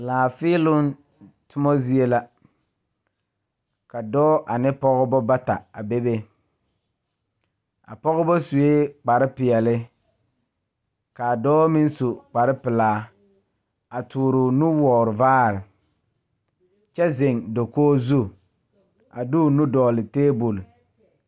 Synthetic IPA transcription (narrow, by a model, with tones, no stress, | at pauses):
laː˨fɪː˦lʊ˦n | tʊ˦mɔ˦zi˦e˦la˦ | ka˨dɔː˦ʔa˨nɪ˦pɔ˦ɣʊ˦bɔ˦ba˦ta˨a˨be˦be˦ | a̰˨pɔ˦ɣʊ˦bɔ˦su˨e˦k͡pa˨ɾɪ˦pɪ˨ɛ˨lɪ˦ | ka˨dɔː˦mɪ˦n˦su˨k͡pa˨ɾɪ˦pɪ˨laː˦ | a˨tʰuː˨ɾʊ˨nu˦wɔː˨ɾʊ˨vaː˦ɾɪ˨ | t͡ʃɛ˦zɪ˨ŋdo˨koː˦zu˦ | a̰˨du˦˨nu˦dɔː˨lɪ˨teː˦bu˨l